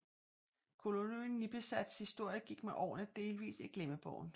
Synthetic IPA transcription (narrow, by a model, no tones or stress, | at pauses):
kʰo̝lonunːib̥esæd̥shisd̥o̝ɐ̰jəɡ̥iɡ̥meʔɒ̰ːnəd̥e̝ːlʋḭːsiɡ̥leməb̥ɒʊ̰n̩